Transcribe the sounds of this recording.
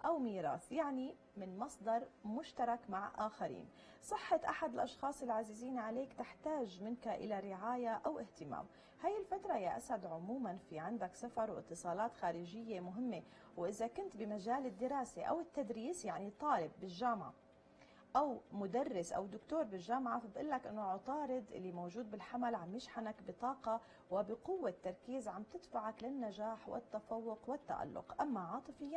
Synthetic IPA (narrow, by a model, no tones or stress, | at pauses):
ʔawmiːɾˤɑ̰ːθjaʕni | mɪnmɑsˤd̪ɑɾˤmʊʃt̪ɑɾˤɑkmaʕʔaːxaɾḭːn | sˤɨħːɑt̪ʔaħad̪ɪlʔɑʃxɑːsˤɪlʕazɪziːnʕaleːkt̪ɪħt̪aːʒmɪnkaʔɪ̰laɾɪʕaːjaʔawʔɪht̪ɪma̰ːm | haːjːɪlfat̪ɾˤɑjaʔasad̪ʕʊmuːmanfiʕɪnd̪aksafɑɾˤwʔɪ̰t̪ːɨsˤɑːlɑːt̪xaːɾɪʒɪjːemʊɦɪmːe | wʔɪzakʊnt̪bɪmaʒaːlɪd̪ːɪɾɑːseʔa̰wɪt̪ːad̪ɾiːsjaʕnit̪ˤɑːlɪbːɪlʒaːmʕa̰ | ʔawmʊd̪arːɪsʔa̰wd̪ʊkt̪oːɾˤbɪlʒaːmʕafabʔʊlːakʔɪnːoʕʊt̪ˤɑːɾɪd̪ʔɪ̰lːimowʒuːd̪̚bɪlħamalʕamːɪʃħanakbɪt̪ˤɑːqɑ | wɪbɪqʊwːet̪ːɑɾˤkiːzʕamt̪ɪd̪faʕaklɪnːaʒaːħwɪ̰t̪ːafɑwːʊqwɪt̪ːa̰ʔa̰lːʊ̰qʔamːaʕɑːt̪ˤɨfɪjːa